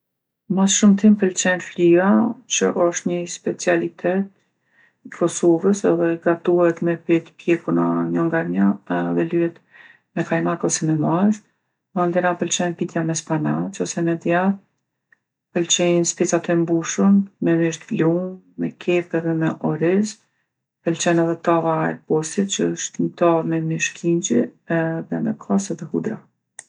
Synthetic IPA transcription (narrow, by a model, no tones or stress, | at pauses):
masʃumt̪impəlt͡ʃɛnfliat͡ɕəʔɔʃt̪ɲəspɛt͡sialit̪ʰɛt̪̚ | ikʰɔsɔvəsɛðɛɡat̪uhɛt̪mɛpit̪pjɛkunaɲɔŋɡaɾɲaɛðɛlyɛt̪ | mɛkajmakɔsɛmɛmaz | mand̪ɛɾapəlt͡ʃɛjnpit̪jamɛspanat͡ʃɔsɛmɛd̪ja | pəlt͡ʃɛnspɛt͡sat̪ɛmbuʃummɛmiʃt̪lumː | ɛkʰɛpɛðɛmɛʔɔɾɛz | pɛlt͡ʃɛnɛðɛt̪avaɛ̰pɔsit̪̚t͡ʃəəʃt̪nt̪ɔmɛmiʃkʰiɲd͡ʒiðɛmɛ̰kʰɔsɛðɛhud̪ɾa